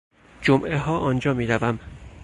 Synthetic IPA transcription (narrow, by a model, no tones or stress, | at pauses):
d͡ʒomʔeɦɒːʔɒːnd͡ʒɒːmiːɾævæm